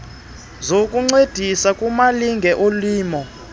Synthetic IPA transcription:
zokʼuŋ͡ǀed̥ʱisakʼumaliŋɡʱɛʔoliːmɔ

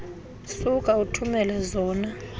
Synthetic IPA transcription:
sukʼautʰumɛlɛzɔːna

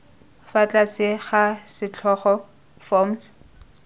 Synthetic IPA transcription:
fat͡ɬʼasɪχasɪt͡ɬʰɔχɔ | fɔms

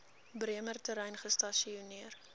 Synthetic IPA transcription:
briəmərtəɾɛjnχəstɐʃiuniər

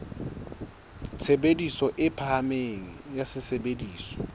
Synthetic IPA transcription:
t͡sʰebedisɔʔɪpʰaameŋ̩jasɪsebediːsɔ̥

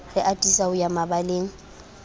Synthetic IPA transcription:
rɪʔatʼisaʊjamabaleːŋ̩

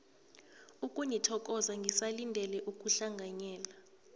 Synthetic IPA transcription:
ukʼunitʰɔkʼɔzaŋɡʱisalindʱɛlɛʔukʼuɬaŋɡʱaɲɛːla

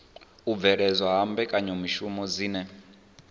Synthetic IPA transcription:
ub̪vɛɺɛzwaɦambɛkʼaɲɛmiʃumɔd͡ziːnɛ

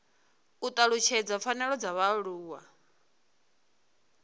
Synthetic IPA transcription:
ut̪ʼaɺut͡ʃʰɛd͡zafʰanɛɺɔd͡zaβaɺuːwa

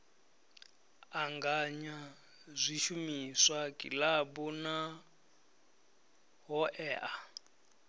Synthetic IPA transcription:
aŋɡaɲa | zʷiʃumiswakʼḭlabɔna | ɦɔʔɛːʔa

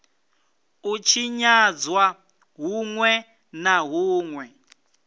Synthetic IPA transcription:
ut͡ʃʰiɲad͡zwa | ɦuŋwɛ | naɦuːŋwɛ

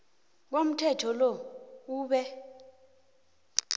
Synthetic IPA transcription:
k̬om̩tʰɛtʰɔlɔuːɓɛ

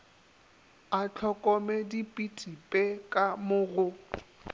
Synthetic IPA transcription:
at͡ɬʰɔkʼɔmɛdipʼitʼipʼekʼamʊɣʊ

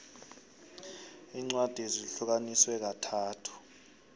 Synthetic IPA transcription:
iːŋ͡ǀwad̥ʱiziɬuk̬aniswɛk̬atʰaːtʰu̥

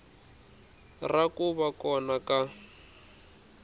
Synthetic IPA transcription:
rakʼuβakʼɔnaka

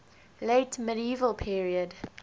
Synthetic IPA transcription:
leɪtmɪɾiiːvəlˠpʰiɹiəd

